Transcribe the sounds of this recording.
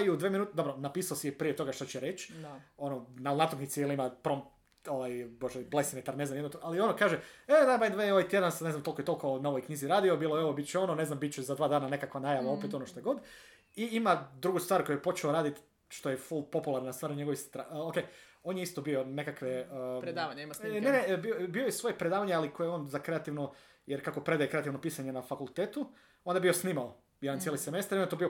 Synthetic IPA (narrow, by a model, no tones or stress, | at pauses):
iud̪ʋeːminuːt̪d̪o̞bɾonapiːsaosijepɾijet̪o̞ɡaʃt̪at͡ɕɛɾet͡ɕao̞nonanat̪oknit̪siiliimapɾom | oʋajboʒeblesimet̪aɾnezamjd̪not̪oʔalio̞nokaːʒeeod̪amajd̪ʋaoajt̪jed̪ansneznmt̪olˠkojet̪o̞lkonaoʋojkɲiːziɾaːd̪io̞biːlˠojoʋobit̪̚t͡ɕɛo̞no̞neznambit̪̚t͡ɕɛzad̪ʋaːd̪aːnane̞kakʋanajaʋao̞pet̪o̞noʃt̪ojɡo̞d̪ | iimad̪ɾuɡust̪ʋaːɾko̞jojepo̞t͡ʃeoɾaːd̪it̪ | ʃt̪o̞jeful̚ˠpo̞pulaɾnast̪ʋaːɾɲe̞ɡo̞ʋist̪ɾaokej | oːnjeist̪obio̞ne̞kakʋepɾeaʋaɲimnenebiobiojesʋo̞jepɾed̪aːʋaɲealikʰojeoːnzakɾe̞at̪iʋno | jeɾkakopɾe̞d̪ajekɾe̞at̪iʋno̞piːsaɲe̞nafakulˠt̪eːt̪u | o̞nd̪abijo̞sniːmao | jeɾant̪eliseme̞st̪aɾionjet̪obijo̞